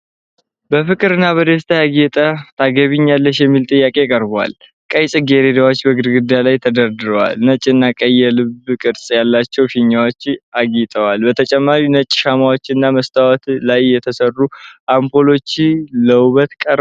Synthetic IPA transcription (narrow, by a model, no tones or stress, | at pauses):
bəfɨkʼɨɾɨnːaβəd̪əst̪ʰajaɡɛt̪ʼət̪ʰaɡəβiɲːalːəʃjɛmːilt̪ʼɨjːakʼe̞kʼəɾbwa̰l | kʼəjsʼɨɡe̞ɾed̪awo̞t͡ʃːbəɡɨɾɡɨd̪ːalajt̪ʰəd̪əɾd̪ɨɾəwa̰lnət͡ʃʼːɪɨnːakʼəjːɛlɨbkʼɨɾsʼjalːat͡ʃːɛwfiɲːawot͡ʃːaɡit̪ʼəwalbət̪ʰət͡ʃʼɛmːaɾinət͡ʃʼːɪʃamawo̞t͡ʃːɪnːaməst̪ʰʼawɔt̪lajːɛt̪ʰəsərːuʔampo̞lo̞t͡ʃːiləwβət̪kʼəɾ